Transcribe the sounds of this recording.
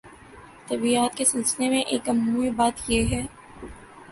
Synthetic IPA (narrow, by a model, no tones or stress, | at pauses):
t̪ɐbiaːt̪kesɪlsɪnemẽʔeːkɐmnuibaːt̪jeɦɛː